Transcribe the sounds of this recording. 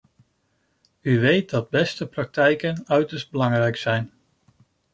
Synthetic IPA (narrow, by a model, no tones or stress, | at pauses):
yʋejt̚dɑd̚bɛstəprɑk̚tɛjkənœɥtəɹsd̚bəlɑŋrɛjksɛjn